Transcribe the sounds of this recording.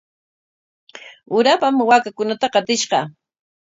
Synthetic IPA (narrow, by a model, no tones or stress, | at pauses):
ʊɾapamwaːkakʊnat̪aqɑt̪ɪʃɢɑ